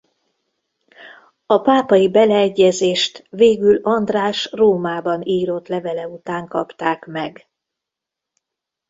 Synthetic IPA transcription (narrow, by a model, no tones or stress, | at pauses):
ɒpaːpɒjibɛlɛːɟːɛzeːʃt̪ʋeːɡylɒnd̪raːʃroːmaːbɒniːɾo̞t̪lɛvɛlɛut̪aːŋkɒpt̪aːkmɛɡ